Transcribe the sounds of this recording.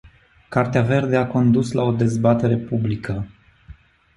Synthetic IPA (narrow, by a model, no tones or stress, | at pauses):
kart̪eave̞rd̪eako̞nd̪uslao̞d̪e̞zbat̪e̞ɾe̞publikə